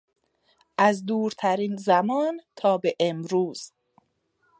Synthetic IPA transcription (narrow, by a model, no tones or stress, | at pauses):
ʔæzd̪uːɾt̪ʰæɾinzæmɒːnt̪ʰɒːbeʔemɾuːz̥